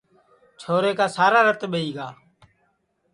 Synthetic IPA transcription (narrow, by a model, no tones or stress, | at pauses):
t͡ʃʰoːɾeːkaːsaːɾaːɾət̪ɓəiːɡaː